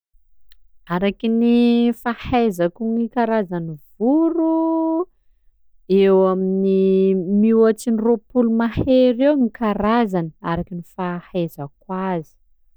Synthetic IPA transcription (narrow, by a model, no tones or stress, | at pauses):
aɾakinifahajzakuŋikaɾazanivuɾu | ewaminimiwat͡siniropulumaheɾewnikaɾazanəaɾakinifahazak̚wazi̥